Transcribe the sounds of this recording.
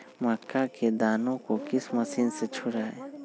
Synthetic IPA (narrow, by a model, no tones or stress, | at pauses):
makːaked̪aːnõkokɪsməsinset͡ʃʰʊɾaːe